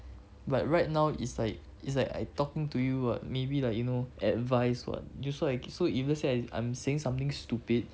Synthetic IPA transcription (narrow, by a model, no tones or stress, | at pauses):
bat̚ɹajt̚naʊḭtslaɪk̚ | itslaɪka̰tɔkɪ̃ŋtujuwɔ̰t̚mebilak̚junoʔɛt̚vaɪswɔ̰t̚jusɔlaɪksoivəsliaɪã̰ɪ̃mseɪ̃ŋsãmt̪ɪ̃ŋstupid̚